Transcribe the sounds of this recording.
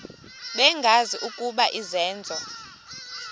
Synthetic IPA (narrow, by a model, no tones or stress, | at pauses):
ɓɛŋɡʱaziʔukʼuɓaʔizɛːnd͡zʱɔ